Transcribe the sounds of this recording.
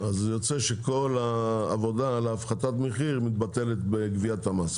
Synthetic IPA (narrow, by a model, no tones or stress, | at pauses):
azjot͡seʃeko̞laa̰vo̞daleaːfχatat̪meχiʁmit̪̚bate̞let̪beɡviatamas